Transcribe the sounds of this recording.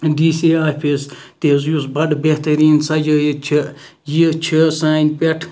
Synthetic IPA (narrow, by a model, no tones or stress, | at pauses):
diːsiaːpʰist̪eːzjusbɐɖbeht̪ɐɾiːnsɐd͡ʒɐːjit͡ʃʰi | jit͡ʃʰisaːnʲpʲeʈʰ